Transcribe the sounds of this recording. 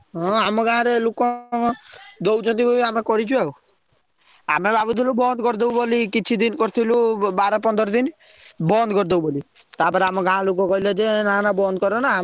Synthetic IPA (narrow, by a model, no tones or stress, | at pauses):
ɦɔ̃amɔɡãaɾelukɔ̃ | d̪owt͡ʃʰɔ̃nt̪ibʱɔbiamekɔɾit͡ʃʰueu | a̰mebabut̪ʰilubɔnd̪kɔɾd̪eubolikit͡ʃʰid̪inkɔɾt̪ʰilubaɾɔpɔnd̪ɔɾd̪inbɔnd̪kɔɾd̪ewbolit̪aːpɔɾamɔ̃ɡããlukɔ̃kɔɦilad͡ʒenanabɔnd̪̚kɔɾɔna